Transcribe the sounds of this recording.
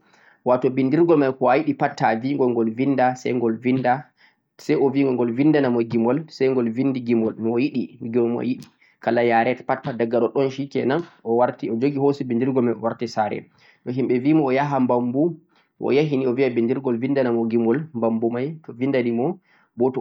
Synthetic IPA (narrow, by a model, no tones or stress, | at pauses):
watɔbindiɾɡɔlmajkɔwajiɗipatːaviŋɡɔŋɡɔlvindasɛ̰jŋɡɔlvinda | sɛjɔviŋɡɔŋɡɔlvindanamɔɡimɔlsɛjŋɡɔlvindiɡimɔlnɔjiɗimiɡimɔ̰jiɗi | kalajaɾɛtḁpatpadaɡːaɗɔɗɔnʃikɛ̰nanɔwaɾtiɔd͡ʒoɡihosibindiɾɡɔlmajɔwaɾtisaɾɛ̰ | ɗɔɦimɓɛviːmɔːjaɦambambu | ʔɔ̰jaɦiniɔviabindiɾɡɔlvindanamɔɡimɔlmbambumajtɔvindanimɔ | bɔtɔ